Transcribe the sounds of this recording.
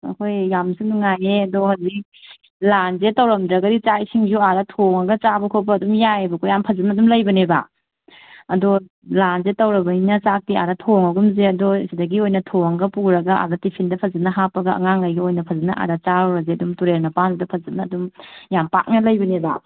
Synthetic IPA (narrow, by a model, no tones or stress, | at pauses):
ɐ̰kʰojːamsunuŋajeɐdɔhazik̚ | lanzetɐwɾɐmdɾɐɡɐdit͡ʃajsʰiŋzuadɐtʰoŋɐɡɐt͡ʃabɐkʰopɐɐdumjajebɐkʰojampʰɐzipnɐdumlɐjbɐneba̰ | ɐdɔ | lanzetɐwɾɐbɐinɐt͡ʃak̚tia̰dɐtʰoŋɐɡumzeɐdɔsidɐɡiojnɐtʰoŋɡɐpuɾɐɡɐa̰dɐtipʰindɐpʰɐzinɐɦapːɐɡɐʔɐ̰ŋaŋlajɡɐojnɐpʰɐzinɐʔa̰dɐt͡ʃaɾɔɾɐzeɐdumtuɾeɾnɐpanudɐpʰɐzinɐːdumjampa̰k̚nɐlɐjbɐneba̰